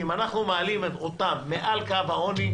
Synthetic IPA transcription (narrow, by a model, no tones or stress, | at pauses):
imanaχnumealimet̪ot̪amːeʔalkavaoni